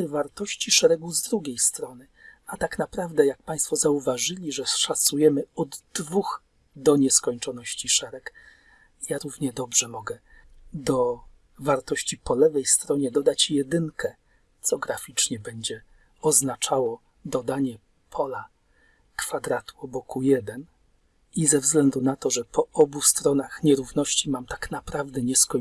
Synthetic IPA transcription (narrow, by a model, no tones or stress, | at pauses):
vaɾt̪ɔɕt͡ɕiʂɛɾɛɡuzd̪ɾuɡʲejst̪ɾɔnɘ | at̪aknapɾavd̪ɛjak̚paj̃st̪fɔzauvaʐɘlʲiʐɛʂasujɛmɘɔd̪d̪vux | d̪ɔɲɛskɔɲt͡ʂɔnɔɕt͡ɕiʂɛɾɛk | jaɾuvɲɛd̪ɔbʐɛmɔɡɛ | d̪ɔ | vaɾt̪ɔɕt͡ɕipɔlɛvɛjst̪ɾɔɲɛd̪ɔd̪at͡ɕjɛd̪ɘŋkɛ | t̪sɔɡɾafʲit͡ʂɲɛbɛɲd͡ʑɛ | ɔznat͡ʂawɔ | d̪ɔd̪aɲɛ | pʰɔla | kfad̪ɾat̪u̥ɔbɔkujɛd̪ɛn | izɛvzɡlɛnd̪unat̪ɔʐɛpɔɔbust̪ɾɔnaxɲɛɾuvnɔɕt͡ɕimamt̪ḁknapɾavd̪ɛɲɛskɔ